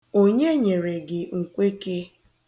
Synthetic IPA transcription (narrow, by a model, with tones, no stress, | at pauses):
o˦ɲe˦ɲe˨ɾe˨ɡɪ˨ŋ̩˨kʷe˦ke˦